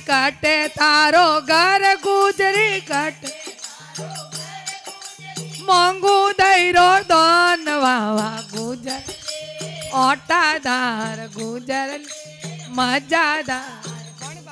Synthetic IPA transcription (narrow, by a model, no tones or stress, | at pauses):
kəʈet̪aɾoɡʱəɾɡud͡ʒɾiɡəʈe | mɔŋɡud̪əiɾod̪ɔnʋaʋaɡud͡ʒəɾ | ɔʈad̪aɾɡud͡ʒəɾ | məd͡ʒad̪aɾ